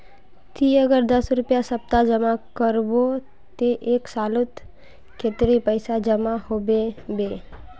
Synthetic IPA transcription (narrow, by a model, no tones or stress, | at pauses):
t̪ʰiəɡəɾd̪əsɾʊpjasəp̚t̪ad͡ʒəmakəɾbo | t̪eʔeːksaːlʊt̪ | ket̪ɾipəɪsad͡ʒəmahoːbebeː